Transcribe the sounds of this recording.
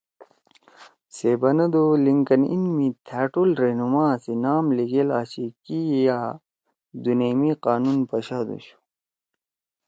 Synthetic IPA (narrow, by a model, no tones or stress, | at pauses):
seːbɐnɐd̪oliŋkɐnḭnmit̪ʰæːʈulɾenumaːsinaːmliɡelaːɕikijaː | d̪uneːmiqaːnunpɐɕaːd̪ṵɕu̥